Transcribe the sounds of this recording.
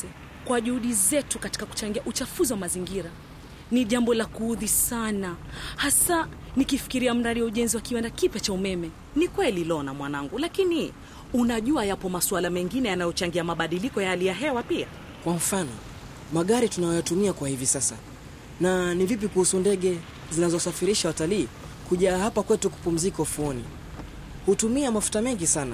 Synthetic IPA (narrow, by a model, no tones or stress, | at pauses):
kwaʄuhuɗizɛtukati̥kaku̥t͡ʃaŋɡiaʔut͡ʃafuziwamaziŋɡiɾa | niʄambɔlakuhuðisanahasa | nikifi̥kiɾiam̩ɾaɗiwauʄɛnziwakiwɛndakipjɛt͡ʃaumɛmɛ | nikwɛlilɔnamwanaŋɡulakini | unaʄuajapɔmaswalamɛŋɡinɛjanajɔt͡ʃaŋɡiamaɓaɗilikɔjaalijaɦɛwapia̰ | kwam̩fanɔ̰ | maɠaɾitunajɔjatumiakwahivisasa̰ | nanivip̬ikuhusundɛɠɛ | zinazɔsafiɾiʃawataliː | kuʄaːhapakwɛtuku̥pum̩zikaufuɔni | hutumiamafu̥tamɛŋɡisana